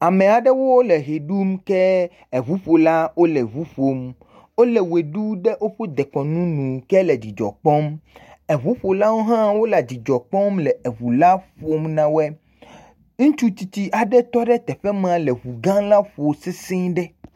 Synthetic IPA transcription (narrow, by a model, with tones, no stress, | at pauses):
a˨mẽ˨a˨ɖɛ˦wo˦wo˦le˨ɦe˨ɖu˦mkɛ˦ | e˨βu˦ɸo˨la˦wo˦lɛ˨βu˦ɸo˨m | wo˦le˨we˨ɖu˦ɖe˦ʔo˦ɸo˦d̪e˨kɔ˨nũ˦nũ˨kɛ˦lɛ˨d͡ʑi˨d͡ʒɔ̰˨k͡pɔ˦me˨βu˦ɸo˨la˦wo˦ɦã˦wo˦la˨d͡ʑi˨d͡ʒɔ˨k͡pɔ˦mlɛ˨e˨βu˨la˦ɸo˨˦mnã˨wɛ˦ | ŋũ˦t͡ʃu˦t͡ɕi˨t̪i˦ʔa˨ɖɛ˦t̪ɔ˦ɖɛ˦t̪ɛ˨ɸɛ˦m˦ã˨lɛ˨βu˨ɡã˦la˦ɸo˨se˦sẽ˦ɖɛ˦